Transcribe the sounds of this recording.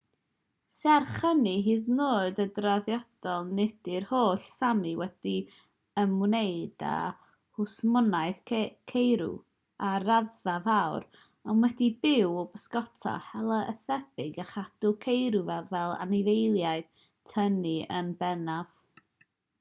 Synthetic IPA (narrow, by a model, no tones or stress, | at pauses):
sarχəniɦiːðnoːɨdədraðjɔd̥ɔlˠnɛd̥ɪrhoːɬsamɨwɛd̥i | əmwnejd̥a̰ | hʊsmɔnajθkʰejɾṵ | aɾaðavawr | ɔnwɛdibɪwɔbəskɔtʰa̰hɛlˠəʔəθɛb̥ɪɡaχad̥ʊkʰejɾuvɛvɛlˠa̰nɪvejlˠjaɨð | tʰəniə̰nbɛnav̥